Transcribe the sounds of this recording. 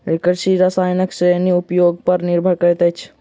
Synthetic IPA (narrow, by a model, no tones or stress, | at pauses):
ɾɪkəɾsiɾasaːjnəksɾeniʊpjoːɡ̚pɐɾnɪɾbʱəɾkəɾt̪ət͡ʃʰ